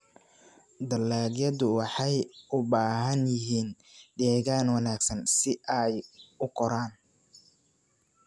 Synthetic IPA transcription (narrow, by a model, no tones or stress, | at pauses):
d̪ɐlːaːljɐðʊwɑħɑjʊbaːɦɐnjɪɦiːn | ɖ̪ɛːɣaːnwɑnaːɡsɐnsɪʔɛjʊkʰɔɾaːn